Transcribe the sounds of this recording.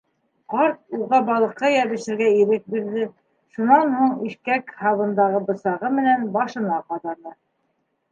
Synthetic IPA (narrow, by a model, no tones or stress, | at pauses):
qɑɾt̪̚uʁɑbɑlˠɤ̆qːɑjæɾlɘ̆ʃɘ̆ɾɡæiɾɘk̚biɾðɘ | ʃunɑnhuɴiʃkækhɑβɤ̆nd̪ɑʁɤbɤ̆sɑʁɤmɘ̆nænbɑʃɤ̆nɑqɑðɑɾðɤ